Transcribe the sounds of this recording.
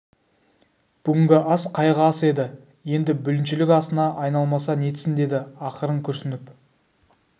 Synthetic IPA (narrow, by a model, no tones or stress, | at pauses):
b̥ʏɡʲɪŋɡʲɪʔɑsqʰɑjʁəɑse̞d̪ɪ | je̞nd̪ɪbʏlɪnʃɪlɪkɑsənɑʔɑjnɑlˠmɑsɑne̞t̪ɪ̥sɪnd̪e̞d̪ɪɑqəɾəɴkʲʰʏɾsɪnɪp